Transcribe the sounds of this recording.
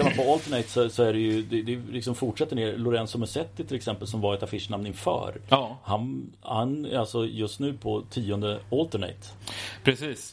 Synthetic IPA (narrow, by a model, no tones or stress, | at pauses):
aɾmanpʰɔɔlt̪əɳɛɪt̪sɔsɔæɖɛjɵd̪ɛd̪ɛlɪksɔmfʊʈʂɛt̪ːəɳeːɾlʊɾɛnsɔmɛsɛt̪ːɪt̪ʰɪlɛksɛmpəlsɔmvɑːɾɛt̪afɪʂɳamnɪnfœ̰ːɾhan | hanæ̰alsɔjɵst̪nʉ̟ːpʰɔt̪ʰiːɔnd̪əɔlt̪əɳɛ̰ɪt̪ | pʰɾɛsiːs